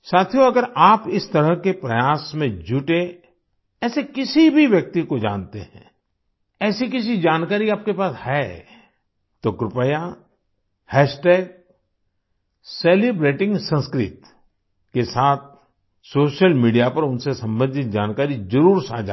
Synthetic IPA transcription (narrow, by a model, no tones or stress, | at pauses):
saːt̪ʰijoɐɡəɾaːpɪst̪ɐɾəɦkepɾɐjaːsmẽd͡ʒʱʊʈe | ɛːsekɪsibʱiʋjək̚t̪ikod͡ʒã̰ːnt̪eɦɛ̰̃ː | ɛːsikɪs̬id͡ʒaːnkaːɾiaːp̚kepaːshɛː | t̪okɾɪpəja | hɛːʃʈeːk̚ | seːlibɾeːʈɪ̃ŋɡsə̃nskɾɪt̪ | kesaːt̪̚ʰ | soːʃəlmiːɖijapɐɾʊnsesɐ̃mbə̃nd̪ʱɪt̪̚d͡ʒaːnkaːɾizɐɾuːɾsad͡ʒa̰ː